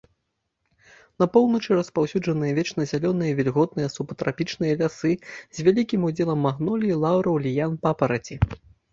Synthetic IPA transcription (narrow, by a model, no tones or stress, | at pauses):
nɐpɔwnɐt͡ʂɨɾɐspawsʲud͡ʐɐnɨjɐvʲɛt͡ʂnɐzʲalʲɔnɨjɐvʲilʲɣɔd̪̚nɨjɐsupɐt̪ɾapʲit͡ʂnɨjɐlʲasɨzʲvʲalʲikʲimud͡zʲɛlˠɐmːaɣnɔlʲilˠawɾɐwlʲijanpapɐɾɐt͡sʲi